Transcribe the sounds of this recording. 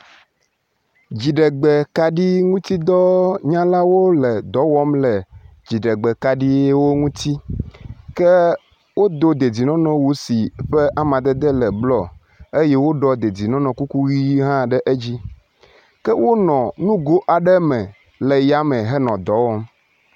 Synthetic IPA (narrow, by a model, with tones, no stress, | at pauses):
d͡ʑi˨ɖɛ˨ɡ͡bɛ˨ka˨ɖi˦ŋũ˦t̪i˦d̪ɔ˦ɲã˦la˦wo˦lɛ˨d̪ɔ˨˦wɔ˦mlɛ˨ | d͡ʑi˨ɖɛ˨ɡ͡bɛ˨ka˨ɖi˦e˦wo˦ŋũ˦t̪i˦ | kɛ˦ | wo˦d̪o˦d̪e˨d͡zi˨nɔ̃˦nɔ̃˨wu˦si˨ɸɛ˦ʔa˦mã˨d̪ɛ˦d̪ɛ˦lɛ˨blɔ˦ | e˦je˦wo˦ɖɔ˦d̪e˨d͡zi˨nɔ̃˦nɔ̃˨ku˦ku˦ɣi˦ɦã˦ɖɛ˦ʔe˦d͡ʑi˦ | kɛ˦wo˦nɔ̃˨nũ˦ɡo˦ʔa˨ɖɛ˦mɛ̃˨ | lɛ˨ja˦mɛ̃˨ɦɛ˦nɔ̃˨d̪ɔ˨˦wɔ˦m